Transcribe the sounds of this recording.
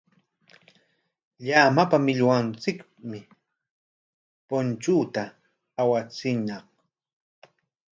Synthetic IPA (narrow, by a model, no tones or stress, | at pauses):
ʎamapamɪʎwant͡sɪk | mɪ | pʊnt͡ʃuːt̪aː | wat͡sɪnɑq